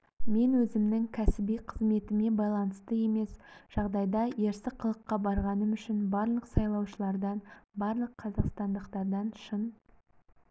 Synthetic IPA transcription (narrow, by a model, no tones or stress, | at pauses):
me̞nwɵzɪmnɪŋkʲʰæsɪbijqʰəzme̞t̪ɪme̞bɑjlˠɑnəst̪əe̞me̞sʒ̥ɑʁd̪ɑjd̪ɑje̞ɾsɪqʰəlˠəqːɑbɑɾʁɑnəmʏʃɪnbɑɾlˠəqsɑjlˠɑwʃəlˠɑɾd̪ɑnbɑɾlˠəqʰːɑzɑqst̪ɑnd̪əqt̪ɑɾd̪ɑnʃən